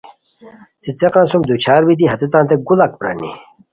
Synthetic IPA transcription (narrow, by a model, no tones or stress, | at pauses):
t͡sit͡seqãnsumd̪ut͡ɕʰaːɾbit̪̬iɦɐt̪et̪ãːnt̪eɡulɐk̚pɾa̰nḭ